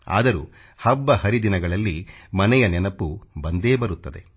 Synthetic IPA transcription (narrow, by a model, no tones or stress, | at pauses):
a̰ːd̪ɐɾṵː | hɐbːɐhɐɾid̪inɐɡɐɭɐlːimɐnɛjɐnɛnɐpːubɐnd̪e̞ːbɐɾut̪ːɐd̪e̞̰